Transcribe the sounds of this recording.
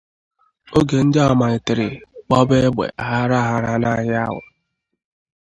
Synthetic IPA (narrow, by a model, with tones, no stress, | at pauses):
o˦ɡe˨n̩˦da˦˨ma˨ɪ˨tɪ˨ɾɪ˨k͡pɔ˦be˦ɡ͡bḛ˨ʔa˨ɦa˦ɾa˦ɦa˦ɾa˦na˦ɣɪ˦a̰˦ɦʊ̰˨